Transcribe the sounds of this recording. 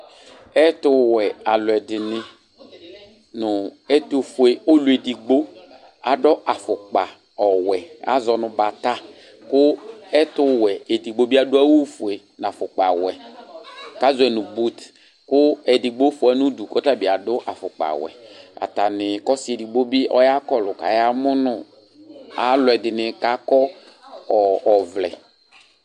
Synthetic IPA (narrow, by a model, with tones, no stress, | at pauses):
ɛ˦tʊ˦wɛ˨a˨lʊ˨ɛ˨dɪ˨nɪ˦ | nʊ˨ɛ˦to˦˨fu˨e˨o˦lu˨˦e˨di˨ɡ͡bo˦ | a˨dɔ˦ʔa˨fʊ˨k͡pa˨ | ɔ˨wɛ˨a̰˦zɔ˨nʊ˨ba˨ta˦ | kʊ˦ɛ˦tʊ˦wɛ˨e˨di˨ɡ͡bo˦bi˦a˦dʊ˦a˦wu˦fu˨e˨ | n˨a˨fʊ˨k͡pa˨wɛ˨ | ka˦zɛ˨nʊ̃˨bu˦t | kʊ˦ɛ˨di˨ɡ͡bo˦fʊ˨ɛ˦nʊ̃˦du˨kɔ˦ta˦˨bi˨a˨dʊ˦ʔa˨fʊ˨k͡pa̰˨wɛ̰˨a̰˨ta˨nɪ˨kɔ˦sɪ˦e˨di˨ɡ͡bo˦bi˦ʔɔ̰˦ja˦kɔ˦lʊ˨ka̰˨ja˦mʊ˦nʊ˨ | a˨lʊ˨ɛ˨dɪ˨nɪ˨ka˦kɔ˦˨ | ɔ˨vlɛ̰˨